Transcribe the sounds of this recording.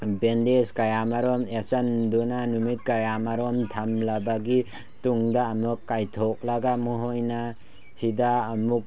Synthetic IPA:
bendeskajamaɾɔmesandunanumit̚kajamaɾɔmt̪ʰamlabaɡi | tuŋdaːmukːajtʰɔk̚laɡamuɦɔjna | hidaːmuk̚

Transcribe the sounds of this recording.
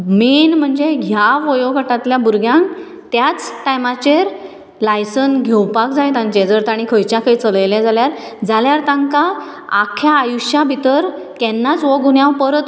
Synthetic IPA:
menm̤əɳd͡zeɡʱjaʋɔjoɡʱəʈat̪ljabuɾɡʱjãŋk | t̪jat͡sʈajmat͡ɕeɾ | lajsənɡʱewpakd͡zajt̪ãɲt͡ɕed͡zəɾt̪aɽ̃ikʰəjt͡ɕjakʰəjt͡sələjlad͡zaljaɾd͡zaljaɾt̪ãŋka | akʰjaːjuɕjabʱit̪əɾ | kɛnːat͡sʋɔɡunjãwpəɾət̪

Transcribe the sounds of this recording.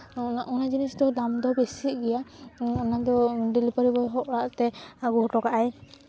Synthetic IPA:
aʔɔnad͡ʒinisd̪ɔd̪amd̪ɔbesiʔ̚ɡɛjaɔnad̪ɔɖilipaɾibɔɦɔʔɾaʔt̪ɛɡɔɦʈɔkaʔaj

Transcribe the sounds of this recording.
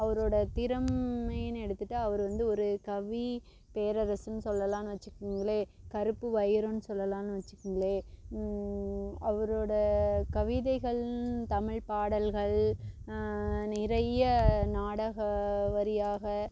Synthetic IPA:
ɐʋɐɾoːɽɐt̪ɪɾɐmɐnɛɽɯt̪ːɯʈːaɐʋɐɾɯʋɐnd̪ɯɔɾɯkɐʋi | peːɾɐɾɐsɯnːɯsɔlːɐlãːnɯʋɐt͡ʃːɯkːɯŋɡɐɭeːkɐɾɯpːɯʋɐjɪɾõnːɯsɔlːɐlãːnɯʋɐt͡ʃːɯkːɯŋɡɐɭeː | ɐʋɐɾoːɽɐkɐʋɪðɐɪɣɐɭt̪ɐmɪɭpaːɽɐlɣɐɭ | nɪɾɐjɐnaːɽɐɣɐʋɐɾɪjaːɣɐ

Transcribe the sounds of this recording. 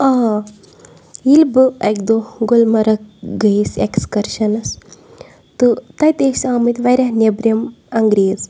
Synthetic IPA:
aː | ilbɨɐkd̪oɡolmɐɾɐkɡɐisekskɐɾʃɐnɐs | t̪ɨt̪ɐjt̪eːʃsaːmit̪ʋɐjɾʲɐɦnebɾʲjɐmɐŋɡɾeːz

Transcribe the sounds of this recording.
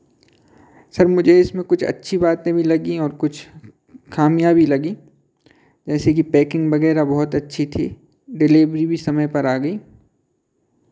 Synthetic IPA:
sɐɾmʊd͡ʒʱeɪsmẽkʊt͡ʃʰɐ̰tːʃʰibaːt̪ẽbʱilɐɡiɔːɾkʊt͡ʃʰ | kʰaːmijabʱilɐɡi | d͡ʒɛːsek̬ipɛːkɪ̃ŋɡbɐɣɛːɾabɔɦʊt̪ɐtːʃʰit̪ʰḭ | ɖɪleːbɾibʱisɐməjpɐɾaːɡɐiː

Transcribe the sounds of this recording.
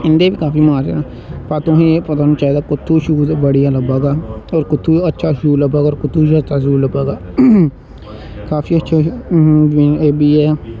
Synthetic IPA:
ɪnd̪eːʋiːkaːfiːmaːɾḛ | paːt̪ʊɦĩːepət̪aːnũːt͡ʃaːɦed̪aːkʊt̪ʰːuːʃuːbəɽijãːləbaːɡaːoːɾkʊt̪ʰːuːətːʃʰaːʃuːləbaːɡaoːɾkʊt̪ʰːuːzaːd̪t̪aːzuːləbaːɡaː | kaːfiːətːʃʰaː | biːɛː

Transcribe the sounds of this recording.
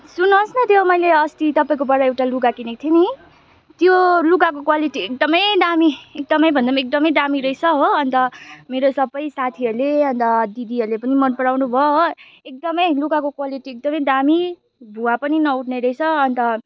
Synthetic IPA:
sunʌsnʌt̪ʰjomʌjleʌst̪it̪ʌpaĩkobʌɽʌewʈaluɡakinek̚t̪ʰeni | t̪joluɡakokwaliʈiek̚d̪ʌmʌjd̪amiek̚d̪ʌmʌjbʱʌndʌmek̚d̪ʌmʌjd̪amiɾʌjt͡sʰʌɦoʌnt̪ʌmeɾosʌbʌjsat̪ʰiʌɾleʌnt̪ʌd̪id̪iɦʌɾlepʌnimʌnpʌɽawnubʱʌo | ek̚d̪ʌmʌjlukakokwaliʈiek̚d̪ʌmʌjd̪ami | b̪ʱuwapʌninʌuʈʰneɾʌjt͡sʰʌʌnt̪ʌ

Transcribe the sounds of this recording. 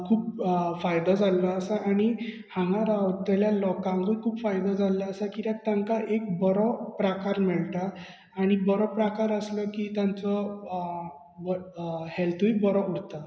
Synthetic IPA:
kʰuːpfajd̪ɔd͡zalːaːsaʔaɽ̃i | hãŋɡaɾaɔt̪ːaljalɔkãŋɡəkʰuːpfajd̪ɔd͡zalːaːsakiɾak̚t̪aŋkaʔek̚bɔɾɔpɾakaɾmɛɭt̪aː | ɽ̃ibɔɾɔpɾakaɾəslɔkit̪jãnt͡sɔ | bhɛlt̪ʰuibɔɾɔuɽt̪a

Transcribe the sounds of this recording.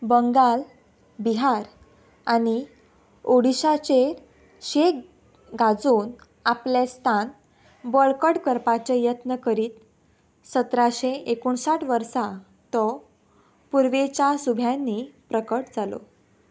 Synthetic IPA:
bəŋɡal | biɦaɾ | añi | oɽiɕat͡ɕe | ɕe | ɡad͡zuːn | aplest̪ʰan | bəɭkəɽkəɾpat͡ɕejət̪nəkəɾiːt̪ | sət̪ɾaɕeekuɳsaʈʰʋəɾsa | t̪ɔ | puɾʋet͡ɕjasubʱjanːipɾəkəʈd͡zalo̰

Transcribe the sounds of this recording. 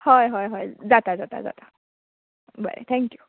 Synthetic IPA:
hɔjɦɔjɦɔjzat̪azat̪a̰za̰t̪ḁ | ba̰ɾḛt̪ʰɛŋkju

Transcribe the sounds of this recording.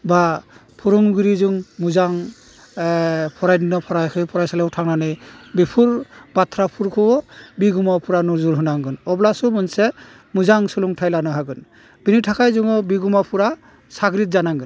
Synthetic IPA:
ba | pʰuɾuŋɡɯɾizuŋmuzaŋ | pʰɔɾajdinɔpʰɔɾajkʰɯjpʰɔɾajsalɛutʰaŋnanɯbepʰuɾbat̪ʰɾapʰuɾkʰɯwɔbiɡumapʰuɾanuzuɾɦɯnaŋɡɯnɔblasɔmɔnsɛ | muzaŋsuluŋtʰajlanɔɦaɡɯn | b̥initʰakʰajzuŋɔbiɡumapʰuɾa | saɡɾit̪̚zanaŋɡɯn

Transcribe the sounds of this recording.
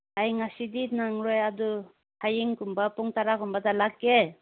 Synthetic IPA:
ajŋasidinaŋɾɔjadɔ | hajiŋkumbapuŋtaɾakumbatalakːe

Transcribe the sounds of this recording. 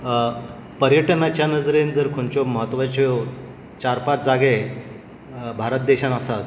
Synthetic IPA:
pəɾjəʈənat͡ɕjanəd͡zɾend͡zəɾkʰoɳt͡ɕoməɦət̪ːʋat͡ɕjo | t͡ɕaɾpat̪d͡zaɡe | bʱaɾət̪̚d̪eɕanasat̪

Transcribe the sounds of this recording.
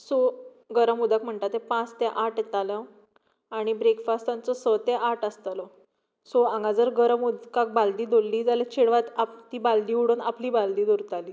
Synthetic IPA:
so | ɡəɾəmud̪akm̤əɳʈ̪at̪epãt͡st̪eʔaʈt̪alə̃ | aɽ̃ibɾekfast̪ãnt͡sɔsət̪eʔaʈəst̪alɔ | soãŋɡad͡zəɾɡəɾəmud̪kak̚bald̪iːd̪olːiːd͡zalət͡ɕʰeɽʋat̪at̪iːbald̪iːuɽuːnapliːbald̪iːd̪oɾt̪aliː

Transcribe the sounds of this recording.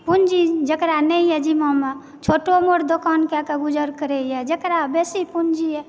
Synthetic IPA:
pund͡ʒid͡ʒəkɾanɛijɛd͡ʒimama | t͡ʃʰoʈomoɾd̪okankakeɡud͡ʒəɾkəɾɛjɛd͡ʒəkɾabesipund͡ʒiɛ

